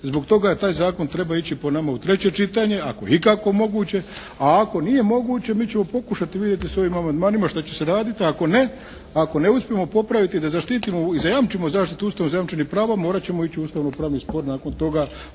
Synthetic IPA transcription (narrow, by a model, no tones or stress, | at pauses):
zbo̞kt̪o̞ɡat̪aːjzaːko̞nt̪ɾe̞bait͡ɕiponamaut̪ɾe̞t͡ɕe̞t͡ʃit̪aɲe̞a̰kojeikako̞mo̞ɡuːt͡ɕe̞ | aako̞nije̞mo̞ɡuːt͡ɕe̞miːt͡ɕe̞mo̞po̞kuʃat̪iʋid̪je̞t̪̬iso̞ʋimamand̪maːnimaʃt̪at͡ɕe̞se̞ɾaːd̪it̪iako̞ne̞ | ako̞ne̞uspʲije̞mo̞po̞pɾaʋit̪id̪azaʃt̪iːt̪imoizajamt͡ʃimozaːʃt̪it̪uuːst̪aʋnozajamt͡ʃenipɾaːʋamoːɾat͡ɕe̞mo̞it͡ɕiuːst̪aʋnopɾaːʋnispo̞ɾnaːko̞nt̪o̞ɡa